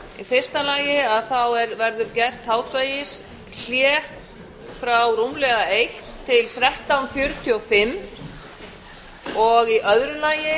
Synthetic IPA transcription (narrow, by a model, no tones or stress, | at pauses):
ifɪr̥st̪alaːjɪaðθawɛɾvɛɾðʏɾcɛr̥t̪haːwt̪vajɪs | l̥jɛː | fɾawrumlɛɣaejhtt̪ʰɪlfɾɛht̪awnfjʏɾt̪ʰiɔfɪm | ɔɣiʔœðɾʏlaːjɪ